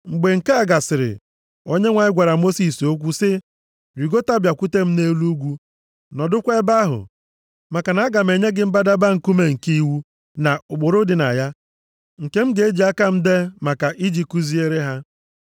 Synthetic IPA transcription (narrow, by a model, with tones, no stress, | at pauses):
ŋ͡m̩˨ɡ͡be˨ŋ̩˨ke˦a˨ɡa˨sɪ˨ɾɪ̰˨ | o˦ɲe˦ŋʷa˨ɲɪ˦ɡʷa˨ɾa˨mo˦si˨so˦kʷu˦sɪ˦ | ɾi˨ɡo˦ta˦bja˨kʷu˦te˦m̩˦ne˦lu˦ɡʷu˦ | nɔ˨dʊ˦kʷe˦ba˦ɦʊ̰˨ | ma˨ka˨na˨˦ɡa˨m̩e˨ɲe˦ɡɪ˦m̩˦ba˦da˦ba˦ŋ̩˨ku˦me˦ŋ̩˨ki˦i˦wu˦ | na˨ʊ˨ɡ͡bʊ˨ɾʊ˦dɪ˨na̰˨ja˦ | ŋ̩˨ke˦m̩˦ɡe˦e˦d͡ʒi˨˦a˦ka˦m̩˦de˦ma˨ka˨ʔi˦d͡ʒi˨ku˦zi˦e˦ɾe˦ɦa˦